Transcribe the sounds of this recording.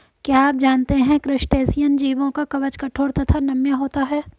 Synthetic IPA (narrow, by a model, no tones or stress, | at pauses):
kjaaːp̚d͡ʒaːnt̪eɦɛ̃kɾɪʃʈeːsijənd͡ʒiːʋõkakɐʋət͡ʃkɐʈʰoːɾt̪ɐt̪ʰanɐmjaɦoːt̪aɦɛː